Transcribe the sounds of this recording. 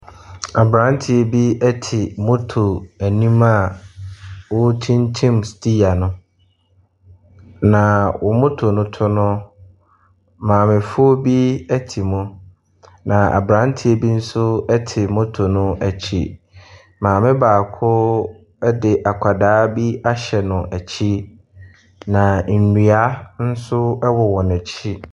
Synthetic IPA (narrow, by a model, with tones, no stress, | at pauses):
a˨bɾã˦n˦tʰɪ˨e˨bi˦ɛ˦tʰɪ˨mʊ̃˦tʰo˨æ˨nĩ˦ma˦ | wʊ˦tʰĩ˦ntʰĩ˦mstʰi˦a˨nʊ̃˦ | nã˨wʔʊ˨mʊ̃˦tʰo˨nʊ̃˦tʰʊ˦nʊ̃˦ | mãː˨mɪ̃˨fʊ˦o˦bi˦æ˦tʰi˨mʊ̃˦ | nã˨a̰˨bɾã˦n˦tʰɪ˦e˨bi˦n̩˦sʊ˦ɛ˦tʰɪ˨mʊ̃˦tʰo˨nʊ̃˦ʔæ˨t͡ɕʰḭ˦ | mãː˨mɪ̃˦baː˨kʰʊ˦ | ɛ˦dɪ˨ʔa˨kʷʰa˨daː˦bi˦a˦ɕɛ˨nʊ̃˨ʔæ˨t͡ɕʰi˦ | nã˨n̩˨nũ˨a˦n̩˦sʊ˦ɛ˦wɔ˨wɔ̃˨næ˨t͡ɕʰi˦